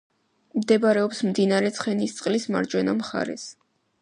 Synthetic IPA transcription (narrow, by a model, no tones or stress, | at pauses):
md̪ɛbaɾɛɔpsmd̪inaɾɛt̪sʰχɛnist̪sʼqʼlisma̰ɾd͡ʒwɛnamχa̰ɾɛ̰s